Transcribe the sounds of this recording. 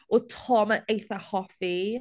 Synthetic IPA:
ɔtʰɔmənejθahɔfi

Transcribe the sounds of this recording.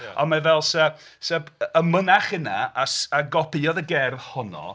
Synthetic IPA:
ɔnmavɛlˠsɛ | sɛbəmənaχənaasaɡɔpʰiɔðəɡɛrvhɔnɔ̰

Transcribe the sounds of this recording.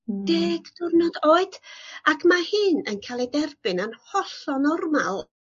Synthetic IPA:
deːɡ̥d̥ʊrnɔdoːɨd̥akʰmahɨːnənkʰalˠidɛrb̥ɨnanhɔɬɔnɔrmalˠ

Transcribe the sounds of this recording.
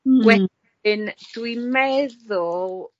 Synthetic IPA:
ɡwɛ | ɨnd̥wimɛðʊlˠ

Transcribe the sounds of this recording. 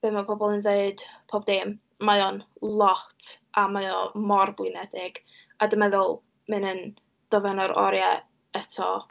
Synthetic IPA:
v̥ɨðmapʰɔbɔlˠənðeɨd̥pʰoːbdeːm | majɔnlˠɔtʰʔamaɨɔmɔrblɨnɛdɪɡ̥ | adəmɛðʊlˠ | mɨnən | d̥ɔvɛnɔɾʔɔ̰ɾjɛ | ɛtʰɔ̰

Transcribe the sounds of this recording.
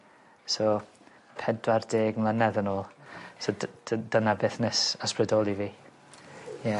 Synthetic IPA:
so | pʰɛdwardeːɡmlˠənɛðənoːlˠso̥d̥ənabɪθnɛsasprɛdɔːlˠiviː | jɛ

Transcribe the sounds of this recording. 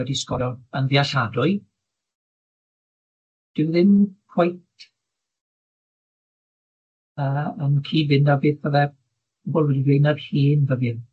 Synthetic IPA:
ɛdiskɔɾɔənviaɬadʊɨ | d̥ɪwðɪnpʰwajt | əːənkʰiːvɪndabeːðpəðɛ | bɔlˠviejnarhiːnvəvɪn

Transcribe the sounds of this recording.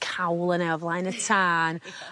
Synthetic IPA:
kʰawlˠənɛvlˠajnətʰaːn

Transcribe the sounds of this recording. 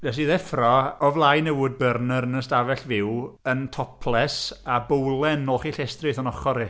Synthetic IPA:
vɛs̬iðɛfrɔɔvlˠajnɛwʊd̚bərnəɾənəstavɛɬvɪwəntʰɔpʰlˠɛsabowlˠɛnɔːχiɬɛstrɨθɔnɔχɔɾɪ

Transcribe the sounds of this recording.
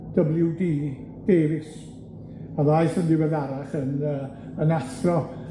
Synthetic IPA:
d̥əblˠjudiː | d̥eːvɪs | aðajθəndɪwɛðaɾaχənəː | ənaθrɔ

